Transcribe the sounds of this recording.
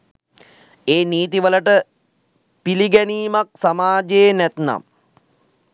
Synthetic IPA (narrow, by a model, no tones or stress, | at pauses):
eːniːt̪̬iʋələʈə | piliɡɛniːmak̚samaːd͡ʒejnɛt̪na̰m